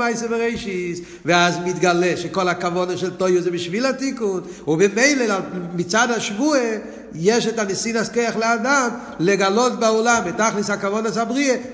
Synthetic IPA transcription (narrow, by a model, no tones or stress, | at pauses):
aɪseveʁeɪʃis | veazmitɡalɛʃekolakavɔnaʃɛltoɪozɛbɪʃvilatikun | ubemeɪleamit͡sadhaʃvue | jɛʃɛtanesinaskejaχlɪadam | leɡalot̚baɔlambetaχlishakavɔnasabʁie